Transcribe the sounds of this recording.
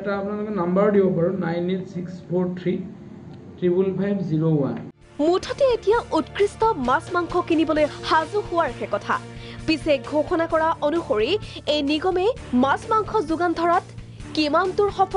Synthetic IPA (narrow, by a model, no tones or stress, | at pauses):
ɛtaːpunalʊkɛnambaɹdibɔpaɹunajnetsikspʰoɹtʰɹi | tɹibulpʰajbziɹowa̰n | mutʰɔtɛetijaʔutkɹistɔmasmaŋkʰɔkinibɔlojhazuxʊwaɹxɛkɔtʰa̰ | pisɛɡʱoxɔnakɔɹaʔonuxoɹiejniɡɔmɛmasmaŋkʰɔzʊɡandʱɔɹat | kimantʊɹxɔpʰ